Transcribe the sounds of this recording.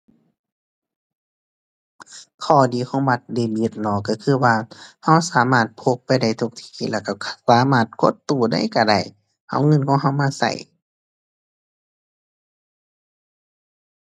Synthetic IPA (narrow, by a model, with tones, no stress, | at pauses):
kʰɔː˧˩diː˨˦kʰɔː˧˥˦ŋba˧t̪̚deː˧˩biː˧˦t̪̚lɔː˧˩kːa˧˩kʰɯː˧˩waː˧ha˧˥˨wsaː˨˦maː˧˩t̪̚pʰo˧˦k̚pa˧˨jda˧˩jt̪ʰu˧k̚t̪ʰi̥ː˧˩lɛː˧˩ka˧˩˧saː˨˦maː˧˩t̪̚ko˧˥˦t̪ːuː˧˩da̰˧˩˨jka˧˩da̰˧˩j | ha̰˧˩˨wŋɤ˧˨nkʰɔː˧˦ŋɦa˧˨wmaː˧˥˨sa̰˧˩j